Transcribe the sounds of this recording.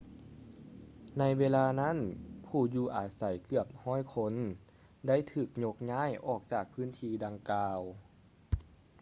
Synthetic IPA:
na˧˥jweː˧laː˧na˥˨npʰuː˧˩juː˧˩ʔaː˨˩t̪̚sa˧˩jkɯ˧˩əp̚hɔː˥˨jkʰo˧˥n | da˥˨jt̪ʰɯː˨˩k̚ɲo˧˦˥k̚ɲaː˥˨jʔɔː˨˩k̚t͡ɕaː˨˩k̚pʰɯː˧˥˨nt̪ʰiː˧da˧ŋkaː˧w

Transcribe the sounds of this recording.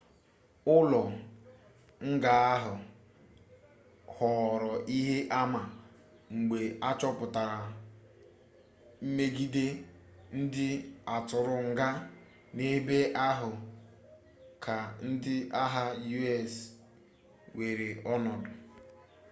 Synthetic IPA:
ʊ˦lɔ˨ | ŋ̩˦ɡa˨a˦ɦʊ˨ | hɔ˨ɾɔ˨ʔi˦ɦe˦ʔa˦ma˨ | ŋ͡m̩˨ɡ͡be˨a˦t͡ʃɔ˦pʊ˨ta˨ɾa˨ | m̩˦me˦ɡi˦de˦ | n̩˦dɪ˦a˨tʊ˨ɾʊ˨ŋ̩˨ɡa˦ | ne˦be˦ʔa˦ɦʊ˨ | kʰa˨n̩˦dɪ˦a˦ɦa˦ju˦ɛ˦˨s | we˨ɾe˨ɔ˦nɔ˨dʊ˨

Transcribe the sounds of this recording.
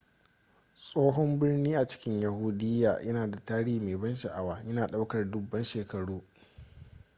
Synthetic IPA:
sʼoː˦ɦɔ˦mbɪ˦rniː˦ʔa˨t͡ʃɪ̥˦kʲɪ˦ɲja˨huː˦dɪ˦jːa̰ː˨jɐ˦naː˨da˨taː˦ɽiː˦hi˨meː˨bɐ˦nʃɐ˨ʔa˨waː˦jɐ˦naː˨ɗa˦wkɐ˨rdʊ˨bːɐ˦nʃeː˨kɐ˨ɽuː˦

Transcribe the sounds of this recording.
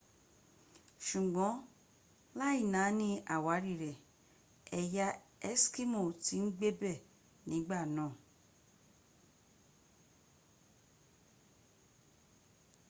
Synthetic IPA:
ʃu˨ɡ͡bɔ̃˨˦ | la˦i˦˨nã˨˦nĩ˦ʔa˨wa˨˦ɾi˦˨ɾɛ˨ | ɛ˧ja˦ɛ˦ski˦mo˦˨ti˨˦n̩˦ɡ͡be˦bɛ˦˨ | nĩ˨˦ɡ͡ba˦˨nãː˦˨

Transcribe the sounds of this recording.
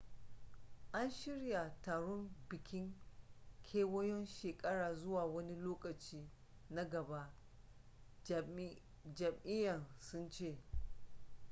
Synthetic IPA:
ʔa˦nʃɪ˦ɽja˨taː˨ɽɔ˦mbɪ˨kʲɪ˦ŋ | kʲʰeː˦wɔ˦jɔ˦nʃeː˨kʼɐ˦ɽaː˨zʊ˦waː˨wɐ˦ni˦loː˦kʼɐ˨t͡ʃiː˦ | na˦ɡɐ˨ba˦ʔ | d͡ʒɐ˨mʔɪ˦jɐ˨nsʊ˦nt͡ʃeː˦˨

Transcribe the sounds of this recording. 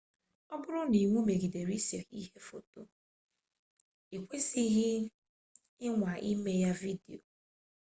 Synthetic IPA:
ɔ˦bʊ˦ɾʊ˦ni˨ŋʷu˦me˨ɡi˨de˨ɾi˦se˨i˦ɦe˦fo̰˨to̰˨ | i˨kʷe˦si˦ɣɪ˦ | ɪ˦ŋʷa˨ʔi˦me˦ja˦vi˦dḭ˨o̰˨

